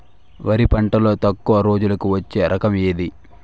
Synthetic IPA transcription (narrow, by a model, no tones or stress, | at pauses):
ʋɐɾipɐɳʈɐlo̞ːt̪ɐkːuʋɐɾo̞ːd͡ʒulɐkuʋɐt͡ʃːe̞ːɾʔɐkɐmeːd̪i